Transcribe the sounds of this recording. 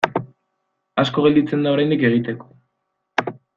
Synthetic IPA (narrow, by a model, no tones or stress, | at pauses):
asko̞ɣ̞eld̪it͡se̞nd̪aoɾajnd̪ike̞ɣ̞it̪e̞ko̥